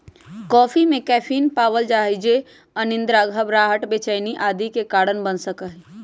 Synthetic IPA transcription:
kɔːpʰimẽkɛːpʰiːnpaːwəld͡ʒaːɦid͡ʒe | ənɪ̃nd̪ɾaːɡʱəbɾaːɦəʈbeːt͡ʃəɪniʔaːd̪ikekaːɽənbənsəkəɦ

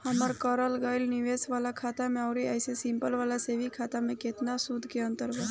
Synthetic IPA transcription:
həməɾkəɾəlɡaɪlniʋeːsʋaːlakʰaːt̪amẽaʊɾiajsesimpəlʋaːlasebʱikʰaːt̪amẽket̪nasud̪ʱkeə̃nt̪əɾbə

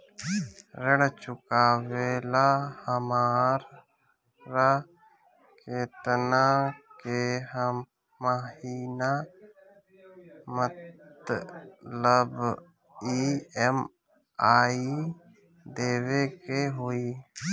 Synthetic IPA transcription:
ɾəɽt͡ʃʊkaːweːlahəmaːɾ | ɾa | keːt̪nakeɦəmː | əɦiːna | mət̪ | ləb | iɛm | aːi | d̪eːwekeɦoːiː

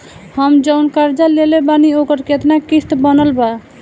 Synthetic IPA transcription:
həmd͡ʒəʊnkəɾd͡ʒalelebaniokəɾket̪nakist̪bənəlba

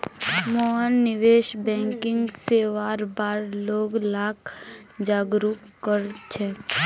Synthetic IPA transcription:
moɦənːɪʋeːʃbɛ̃ːŋkɪ̃ŋɡseʋaːɾbaːɾloːɡlaːk | d͡ʒaːɡɾuːpkəɾt͡ʃʰɛː

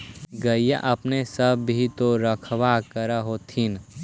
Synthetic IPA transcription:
ɡəija̰ʔɐpnesəbʱit̪oɾəkʰʋakəɾaɦot̪ʰin

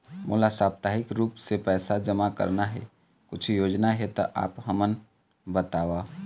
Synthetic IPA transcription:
mʔo̰ːlasaːbt̪aːɦɪkɾuːpsepɛːsad͡ʒəmakə̰ɾnaɦɛ̰ | kʊt͡ʃʰjoːd͡ʒnaɦɛt̪ɔʔa̰ːpɦəmən | bət̪aːʋaː

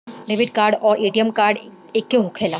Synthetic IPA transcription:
ɾebiʈkaɾɖɔːɾeʈijemkaɾɖekːeɦukʰela

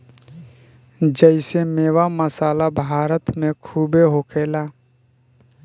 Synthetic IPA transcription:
d͡ʒəɪsemeːwaməsaːlabʱaːɾət̪mẽkʰuːbeɦokʰeːlaː

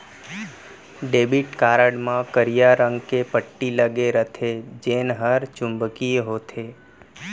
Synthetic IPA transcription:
ɖebiʈkaɾəɽmãkəɾijaɾəŋɡkepəʈːiləɡeɾət̪ʰed͡ʒenɦəɾt͡ʃʊ̃mbəkiɦot̪ʰe

